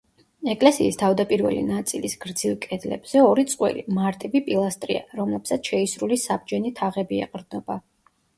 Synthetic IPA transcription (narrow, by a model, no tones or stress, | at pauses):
ɛkʼlɛsiːst̪ʰavd̪apʼiɾvɛ̰lḭnat̪sʼilisɡ̥ɾd̪zilˠkʼɛd̪lɛ̰bz̥ɛɔɾit̪sʼqʼwɛ̰limaɾt̪ʼibipʼilˠast̪ʼɾḭa̰ɾɔmlɛbsat̪ʰʃɛisɾulisab̚d͡ʒɛnit̪ʰaʁɛbiɛ̰qʼɾd̪nɔba